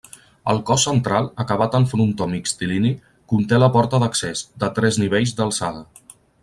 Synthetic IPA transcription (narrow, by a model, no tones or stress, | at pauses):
ə̰lˠkɔsːənt̪ɾalˠəkəβ̞at̪əɱfununt̪ɔmikst̪ilini | kunt̪eləpɔɾt̪əðəksesd̪ət̪ɾɛzniβeʎzd̪əlˠsaðə